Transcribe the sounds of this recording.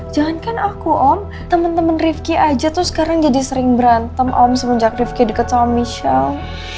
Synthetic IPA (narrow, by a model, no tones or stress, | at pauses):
d͡ʒaŋankanakuʔɔm | t̪əmənt̪əmənrifkiʔad͡ʒat̪ʊsə̥kaɾaŋd͡ʒadisəɾɪŋbəɾant̪əmʔɔmsəməɲd͡ʒak̚rifkidəkət̪sɔɔmiʃal